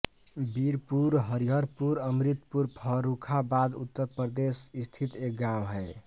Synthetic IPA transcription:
biɾpuɾɦəɾiɦəɾpuɾəmɾit̪puɾpʰəɾukʰabad̪ṵt̪ːəɾpɾəd̪esist̪ʰit̪ek̚ɡamɦəj

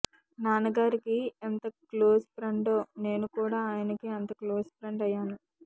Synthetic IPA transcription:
naːnɐɡaːɾikient̪ɐklo̞ːspɾeɳɖoːne̞ːnukuːɽaːaːjɐnɐkiɐnt̪ɐkloːspɾeɳɖɐjːaːnu

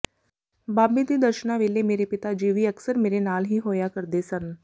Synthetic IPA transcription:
baːbid̪id̪ɐɾʃənãʋeːlemeːɾepɪt̪ad͡ʒiːʋiɐksəɾmeːɾenaːlɦiɦoːjakɐɾd̪esɐ̃n

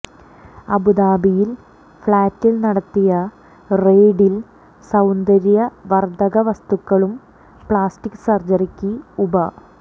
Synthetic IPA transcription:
ɐbud̪aːbijil | fɭaːtːilnɐɽɐt̪ːijɐ | reːɖil | sɐwnd̪ɐɾijɐʋɐrd̪ɐɣɐʋɐst̪ukːɐɭum | pɭaːstikːsɐrd͡ʑɐrikʲːiubɐ

